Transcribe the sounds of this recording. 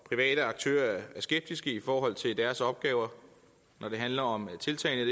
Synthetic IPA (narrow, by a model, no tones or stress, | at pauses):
pʰʁiʋɛ̰ːɾ̥əɑ̈ɡ̥̚t͡sʰø̰ːɐæɐsɡ̥eb̥̚d̥isɡ̥əifɒːɦɒ̽l̰t͡sʰe̝ld̥æɐsɒ̽b̥̚ɡ̥ɛːʊɐ | nɒɾ̥e̝ɦænlɐɒ̽mt͡sʰe̝lt͡sʰɛ̰ːɪnə̥